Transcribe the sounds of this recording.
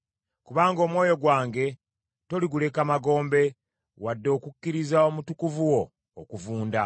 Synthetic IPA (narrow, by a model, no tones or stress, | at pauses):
kuβaːŋɡo̞ːmwo̞ːjo̞ɡwaːŋɡe̞ | to̞liɡule̞kamaɡo̞ːmbe̞ | wadːo̞ːkukːiɾizao̞mutukuvuwo̞ː | kuvuːnda